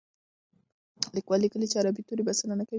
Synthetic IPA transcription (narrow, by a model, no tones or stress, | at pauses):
likwalikəlit͡ʃeaɾabit̪uɾibasananaka